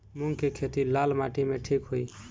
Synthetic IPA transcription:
muŋɡkekʰet̪ilalmaʈimeʈʰikɦoi

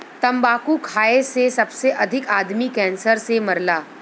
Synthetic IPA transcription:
t̪əmbakuːkʰaesesəbseʔəd̪ʱikad̪miːkɛ̃nsəɾseməɾla

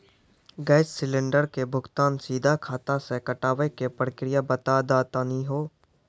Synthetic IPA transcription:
ɡaːɪssɪlẽɳɖəɾkebʱʊɡt̪aːnsiːd̪ʱakʰaːt̪asekəʈaːʋekepɾəkɾɪjabət̪ad̪aːt̪aniɦoː

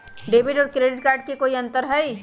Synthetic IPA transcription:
ɖeːbɪʈɔːɾkɾeːɖɪʈ̚kaːɾɖ̚kikoːiɐ̃nt̪əɾɦɛi

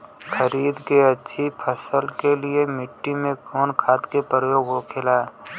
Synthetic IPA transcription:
xʰəɾiːd̪keɐtːʃʰipʰəsəlkeliemɪʈːimẽkɔːnkʰaːt̪kepɾəjoːɡɦokʰeːlaː

